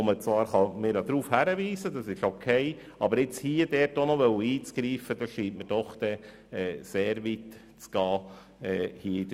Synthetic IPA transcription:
omət͡sʋɑːɾχɑmɪɾjɑd̪ɾuːfhæɾəʋiːsədɑsɪʃokʰɛɪ | ɑbəɾɪt͡shiːəd̥ɛːɾtonɔʋœwəiːt͡sɡ̥ɾiːfəd̥ɑʃiːntməɾd̥ɔχd̪̥ɛ | ɛːseːɾʋit | t͡sɡ̥ɑː | ɛːhiːəid

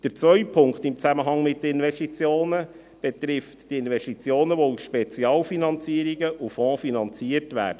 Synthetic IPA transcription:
d̥əɾt͡sʋœʏpʰʊŋktɪmt͡sæməɦɑŋmɪt̚dəɪnʋɛʃtit͡sjoːnə | b̥ɛt̪ɾɪftd̥iɪnʋɛʃtit͡sjoːnəʋousʃpɛt͡siɑːlfinɑnt͡siəɾiɡəʔufɔ̃ːfinɑnt͡siəɾtʋæ̰ːɾd̥ə

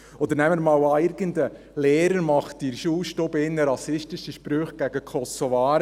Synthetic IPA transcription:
ɔd̪əɾnɛmːəɾmɑːwɑːɪɾɡəndə | lɛːɾəɾmɑχtiɾʃuːʃtobɪnːəɾɑsɪʃtɪʃəʃpɾøːχɡ̥æɡ̥əkʰɔsɔvɑːɾ

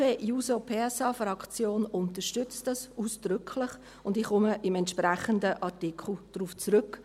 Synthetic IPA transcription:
eːjuːsopʰeːɛsɑːfɾɑkt͡sjoːnʊntəʃtʏt͡stdɑsuːsd̥ɾʏkʰlɪχ | ʊndɪχχʊməʔɪmɛntʃpɾæχəndəʔɑɾtikʰl̩d̥ɾuft͡sɾʏk

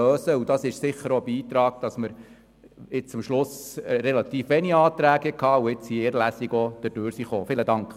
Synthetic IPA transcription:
øːsəud̥̪ɑsɪʃsɪχːəɾobiːt̪ɾɑːɡ̚d̥ɑsməɾ | ɪt͡sʊmʃlʊsɾɛlɑt̪iːfʋɛniɑːt̪ɾæːɡ̥ɛkhɑːuɪt͡shiɪːɾlæsiɡod̪̥əd̥øːɾsiχoːfɪləd̪ɑŋk

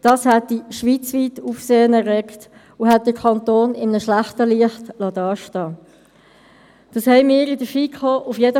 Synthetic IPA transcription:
d̥ɑːshɛt̚d̥iʃʋiːt͡sʋiːtuːfseːənɛrːɛkt | ʊɦɛt̚d̥əkʰɑntoːnɪmənəʃlæχtəliəχtlɑdɑːʃtɑː | d̥ɑshɛɪmɪːəɾɪdəfikʰoʔʊfjedə

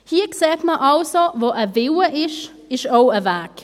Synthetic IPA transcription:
hiːəkseːtməʔɑlsovoːʔəvɪwəʔɪʃ | ɪʃoʊəvæːk

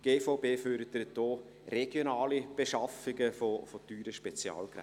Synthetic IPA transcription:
ɡ̥eːfoʊbeːføɾd̪əɾətd̥ɔː | rɛɡ̥jonɑːlib̥eʃɑfɪɡəfofotyːɾəʃpɛt͡sjɑ̰ːlkɾɛ̰

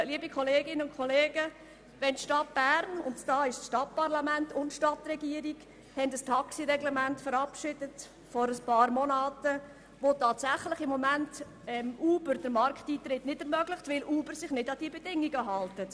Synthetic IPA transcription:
liəbikʰχɔleːɡɪnəʊnkχɔleːɡə | ʋɛntʃtɑt̚b̥æːɾnʊ̰ntd̥ɑːɪʃsʃtɑt̚pɑɾlɑmæntʊntʃtɑtrɛɡiəɾiɡ | hɛndɑstʰɑksiɾɛɡlɛmæntfəɾɑpʃɪd̥ət | fɔɾəspɑːɾmɔnɑːtə | ʋotɑːtsæχlɪχɪmːɔmænt | ɛmʔuːbəɾd̥əɾmɑɾkχtiːtɾɪtnɪdɛɾmœɡlɪχtʋɪluːbəɾsɪχnɪdɑd̥iəbɛdɪŋiɡəɦɑltət

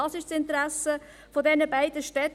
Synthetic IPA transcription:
ɑsɪʃsɪnt̪əɾæsə | fɔdɛnəbæɪd̥əʃtɛt

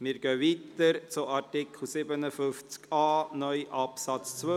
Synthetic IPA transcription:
mɪːɾɡœʋiːt̪əɾt͡sʊɑɾtɪkl̩sɪbənəfʏft͡skɑːnœjʔɑpsɑt͡st͡sʋø

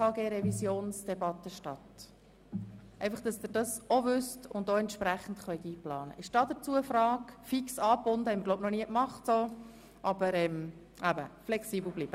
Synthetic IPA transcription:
ɑːɡeːɾɛvisjoːnsd̥ɛbɑt̪ːəʃtɑt̪ | ɛɪfɑχd̥ɑsd̥̪ɪɾd̥ɑsovʏstʊnd̪oɛntʃpɾæχn̩tχœʏt̪iːplɑːnə̰ɪʃd̥ɑːdəɾt͡suəəfɾɑːkfiksɑːpːʊndəhɛɪmɪɾɡloʊp̚nɔniəkmɑχtso | ʔɑb̥əɾɛm | ʔæbəflɛksiːbl̩ˠbliːb̥ə

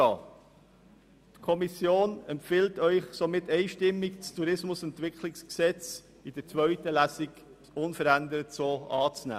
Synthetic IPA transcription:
ɑː | tkʰɔmisjoːnɛmpfɪltœʏχsomɪtɛɪʃtɪmːɪkt͡stʰuɾɪsmʊsɛntʋɪkʰlɪksksɛt͡s | id̥ət͡svœɥtəlæsiɡ | ʊnfəɾænd̪əɾətsoːɑːt͡snæ̰ː

